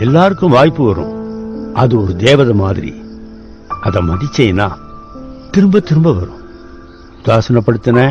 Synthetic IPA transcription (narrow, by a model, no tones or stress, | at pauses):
ɛlːaːɾɯkːɯ̃mʋaːjpːɯʋɐɾʊ̰̃ɐðɯɔɾɯd̪eːʋɐðɐmaːðɪɾḭ | ʔɐðɐmɐðɪt͡ʃːɛjnaː | t̪ɪɾɯmbɐt̪ɪɾɯmbɐʋɐɾʊ̰̃ | ʊd̪aːsɐnɐpːɐɽɯt̪ːɐnɐ